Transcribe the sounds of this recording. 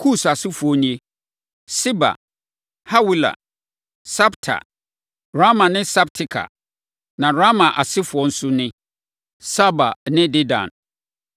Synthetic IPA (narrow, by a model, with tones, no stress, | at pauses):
kʰu˦˨sa˨sɪ˦fʊ˨ɔ˦nĩ˦e˦ | sɪ˦ba̰˨ | ha˦wi˦la̰˨ | sa˦btʰa̰˨ | ɾa˦mã˨nɪ̃˦sa˦b̚tʰɪ˦kʰa̰˨ | nã˨ɾa˦mã˨ʔa˨sɪ˦fʊ˨ɔ˦n̩˦sʊ˦nɪ̃˦ | sa˦ba̰˨nɪ̃˦dɪ˦dã̰˨n